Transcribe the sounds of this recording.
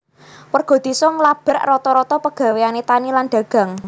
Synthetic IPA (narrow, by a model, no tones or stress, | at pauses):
wərɡ̥ɔ̤d̪̥i̤sɔŋlab̥ə̤rrɔt̪ɔɾɔt̪ɔpəɡ̥ä̤weanet̪anilanɖ̪̥ä̤ɡ̥a̤ŋ